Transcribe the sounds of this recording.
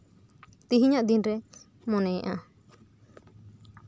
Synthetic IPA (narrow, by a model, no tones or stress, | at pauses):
t̪iɦiɲaʔd̪inɾɛ | mɔnɛjʔa